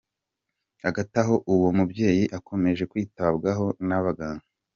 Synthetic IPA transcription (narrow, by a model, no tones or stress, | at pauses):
aɡataɦo̞ʔuwomubɟe̞ːjiʔako̞me̞ʒe̞kwiːtabɡaɦo̞naβaɡaːŋɡa